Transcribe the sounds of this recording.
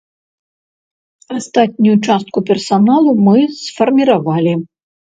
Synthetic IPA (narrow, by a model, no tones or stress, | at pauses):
ast̪at̪̚ʲnʲujut͡ʂast̪̚kupʲɛrsanalˠumɨsfɐrmʲiɾavalʲi